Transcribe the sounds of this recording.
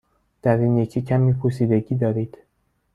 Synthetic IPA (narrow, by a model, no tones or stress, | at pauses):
d̪̥æɾiːnjecʰicʰæmiːpʰoɾsiːd̪e̞ɟiːd̪ɒːɾiːd̪̥